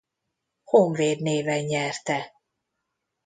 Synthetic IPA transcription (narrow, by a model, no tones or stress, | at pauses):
hoɱveːd̪neːvɛɲɲɛrt̪ɛ